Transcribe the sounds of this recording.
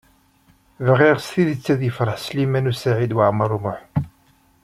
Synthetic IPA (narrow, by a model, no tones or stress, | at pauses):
vʁiʁst̪iðət͡sːæðjəfɾˤəħslimænusaʕid̪waʕməɾˤumʊħ